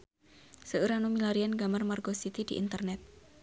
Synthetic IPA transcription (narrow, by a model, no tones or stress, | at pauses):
səuɾanumilaɾianɡamarmarɡosit̪idiʔḭnt̪ərnɛt̪̚